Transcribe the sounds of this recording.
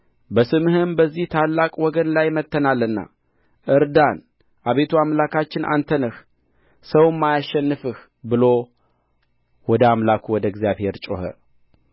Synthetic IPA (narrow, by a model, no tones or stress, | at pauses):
bəsɨmhɨnbəzːiht̪ʰalːakʼwɔɡənlajmət̪ʰːənalːɨnːa̰ | ʔɨɾd̪an | ʔaβe̞t̪ʰuamlakat͡ʃːɪnʔa̰nt̪ʰənɨh | səwmːajaʃːɛnːɨfɨh | bɨlo̞ | wɔd̪əamlakʰuwɔd̪əɡzjaβhe̞ɾt͡ʃʼo̰hə̰